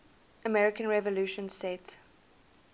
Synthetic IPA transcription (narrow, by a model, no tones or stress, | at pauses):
ʔəmɛɹɪkə̃nɹɛvəluːʃə̃nsɛt